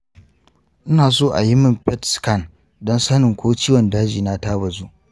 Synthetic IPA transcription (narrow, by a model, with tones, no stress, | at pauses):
ʔɪ˦naː˨s̬oː˦ʔa̰˨ji˦mɪ˦mpɛ˦tskɐ˦˨n | dɔ˦nsɐ˦nɪ˨ŋkʷoː˦t͡ʃiː˦wɔ˨ndaː˦d͡ʒiː˨na˦taː˦bɐ˨zuː˦